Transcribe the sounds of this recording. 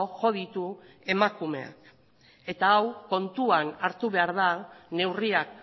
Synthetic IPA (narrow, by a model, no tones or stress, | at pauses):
oʝo̞ð̞it̪u | e̞makume̞̰a̰k | e̞t̪aːwko̞nt̪uanaɾt̪uβe̞aɾðane̞wriak